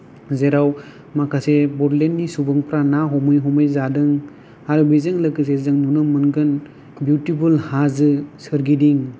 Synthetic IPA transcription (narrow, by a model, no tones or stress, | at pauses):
zeɾaw | makʰasebɔdlenːisubɯŋpʰɾanaɦɔmɯjɦɔmɯjzadɯŋ | haɾɯbizɯŋlɯkɯs̬ezɯŋnunɯmɯnɡɯn | bjutipʰulhazɯsɯɾɡidiŋ